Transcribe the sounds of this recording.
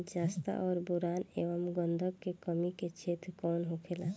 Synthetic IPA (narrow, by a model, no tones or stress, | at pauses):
d͡ʒaːst̪a̰ʔɔːɾbuɾaːneːʋəmɡə̃nd̪ʱəkkːekəmiket͡ʃʰeːt̪ɾkɔːnɦʊkʰela